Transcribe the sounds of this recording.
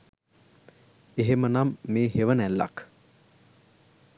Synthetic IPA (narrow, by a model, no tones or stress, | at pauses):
eɦemənamːeːɦeʋənælːɐ̰k